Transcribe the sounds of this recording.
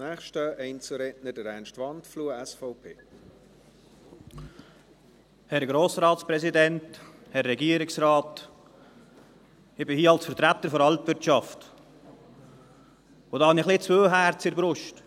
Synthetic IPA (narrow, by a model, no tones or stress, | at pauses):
næːχʃtəɛɪnt͡suɾɛʔnədɛɾæːnʃtʋɑntfluːəɛsfɔʊpʰeː | hɛɾɡɾoːsɾɑːt̪spɾɛsidɛnt | hɛrːɛɡiːəɾɪksrɑːt | ɪb̥ɪhiːɑlsfəɾt̪ɾæt̪ːəɾfɔɾɑltvɪɾtʃɑft | ʊd̪ɑːhɑnɪχlɪt͡sʋøːɦæːɾt͡sɪɾbɾʊʃt